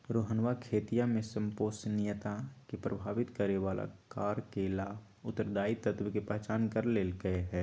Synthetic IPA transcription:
ɾoːɦənʋakʰeːt̪ijamẽsə̃mpoːsnɪjət̪akepɾəbʱaːʋɪt̪kəɾeʋaːlʔa̰kaːɾkelaː | ʊt̪ːəɾd̪aːit̪ət̪ʰʋkepɛɦt͡ʃaːnkəɾleːlɡəeɦɛː

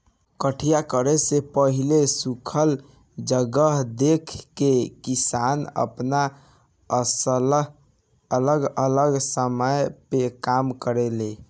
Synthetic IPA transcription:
kəʈʰijakəɾesepəɦilesukʰəl | d͡ʒəɡəɦd̪ekʰkekisanə̰pna | əs | ələɡələɡsəməjpekamkəɾele

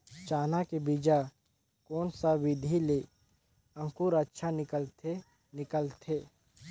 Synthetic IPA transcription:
t͡ʃaːnakebid͡ʒa | kɔːnsawɪd̪ʱile | ə̃ŋkuɾətːʃʰanɪkəlt̪e | nɪkəlt̪ʰeː

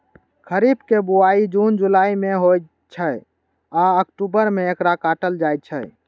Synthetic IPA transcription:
kʰəɾibkebuaid͡ʒund͡ʒulaimeɦoj | t͡ʃʰə | aəkʈubəɾmeekɾakaʈəld͡ʒajt̪̚t͡ʃʰə

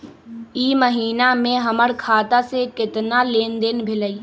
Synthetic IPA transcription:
iːməɦiːnamẽɦəməɽkʰaːt̪asekɪt̪naleːnd̪eːnbʱɪləi

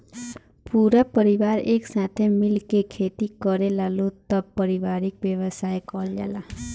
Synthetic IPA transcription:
puːɾapəɾiʋaɾeːksat̪ʰemɪlkekʰeːt̪ikəɾelalot̪əbpəɾiʋaɾɪkʋjəʋəsajkɔld͡ʒa̰la

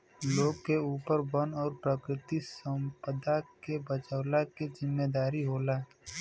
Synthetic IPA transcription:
loːɡ̚keuːpəɾbənɔːɾpɾəkɾɪt̪isə̃mpəd̪akebət͡ʃəːlakezɪmːeːd̪aːɾiɦoːlaː

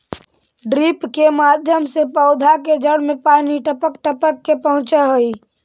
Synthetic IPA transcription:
ɖɾiːpkemaːd̪ʱjəmsepəʊd̪ʱaked͡ʒəɽmẽpaːniʈəpəkʈəpəkːepəɦʊ̃t͡ʃəɦoi

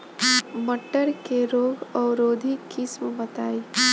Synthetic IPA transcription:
məʈːəɾkeɾoːɡəwɾoːd̪ʱikɪsmbɐt̪aːiː

